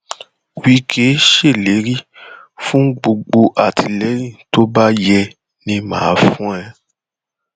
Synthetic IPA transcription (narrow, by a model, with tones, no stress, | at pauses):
wi˦kʰe˨˦ʃe˦˨le˨˦ɾi˦fũ˦ɡ͡bo˧ɡ͡bo˧ʔa˦˨tʰi˨lɛ˨˦ɾĩ˦˨to˦ba˦jɛ˧ | nĩ˧mã̰ː˨˦fũ˦ɛ˧